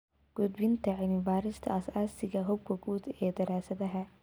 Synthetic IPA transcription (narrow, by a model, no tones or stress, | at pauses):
ɡ̥ʊd̪bɪnt̪ʰɐʕɪnɪbaːɾɪst̪ʰɐ̰ɐsaːsɪɣɐɦɔb̚kʰɐɡuːd̪ɛːd̪ɐɾaːsɐðɐɦɐ